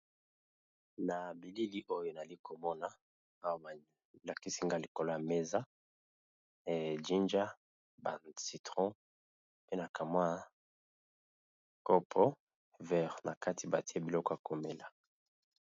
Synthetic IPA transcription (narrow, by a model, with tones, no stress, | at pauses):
na˨bi˨li˦li˦ʔo˦jo˦na˨li˦ko˨mɔ˦na˨ | a˦wa˨ba˨ | la˨ki˦si˦ŋɡa˦˨li˨ko˨lo˦a˨me˦za˦˨ | d͡ʒi˦nd͡ʒa˦ | ba˨si˨tʁɔ̃˦ | pe˦na˨ka˨ma˦ | ko˦pʰɔ˦ | vɛ˦˨ʁna˨ka˦tʰi˨ba˨ti˦a˦bi˨lɔ˦kɔ˦ja˨ko˨me˨la˨